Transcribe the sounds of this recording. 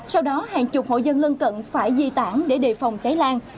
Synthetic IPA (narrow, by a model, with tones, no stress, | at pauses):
sa˧wɗɔ˨˦haː˨˩ŋt͡ɕʊ˨˩k͡p̚ho̰˧˨jzə˧nlə˧nkə̰˧˨nfaː˧˩jzḭ˧˨t̪aː˧˩ŋɗe˧˩ɗe˧˩fa˨˩wŋ͡mt͡ɕa˨˦jlaː˧ŋ